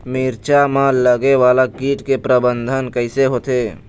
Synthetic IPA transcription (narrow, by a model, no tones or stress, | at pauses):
miɾt͡ʃamãləɡewaːlakiːʈkepɾəbənd̪ʱənkəɪseɦoːt̪e